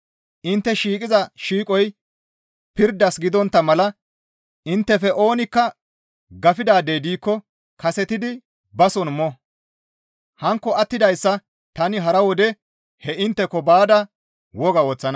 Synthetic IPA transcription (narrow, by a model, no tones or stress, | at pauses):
ʔɪnt̪ːɛʃiːkʼɪzɐʃiːkʼɔj | pɪɾd̪ːɐsɡɪd̪ɔnt̪ːɐmɐlɐ | ɪnt̪ːɛfɛʔo̞ːnɪkːɐ | ɡɐfɪd̪aːd̪ejd̪iːkːɔ | kɐsɛt̪ɪd̪ɪ | bɐsɔnmɔ | hɐŋkːɔɐt̪ːɪd̪ɐjsːɐ | t̪ɐnɪɦɐɾɐwɔd̪ɛ | hɛɪnt̪ːɛkːɔbaːd̪ɐ | wɔɡɐwɔːt͡sːɐnɐ